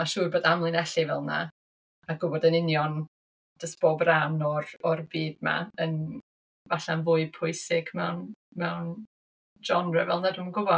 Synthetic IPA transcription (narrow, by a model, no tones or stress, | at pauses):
maʃuːboːdamlˠɨnɛɬɪvɛ̰lˠna̰ | aɡʊbɔdənɪnjɔn | d̥əsb̥ɔbranɔrɔrbiːdma̰ən | vaɬanvʊɨpʰʊɨsɪɡmɛwnmɛwn | d͡ʒɔnrɛ̰vɛlˠnadʊːmənɡʊbɔ